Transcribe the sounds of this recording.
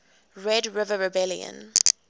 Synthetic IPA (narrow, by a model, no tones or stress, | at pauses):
ɹɛdɹɪvəɹɛbɛljə̰̃n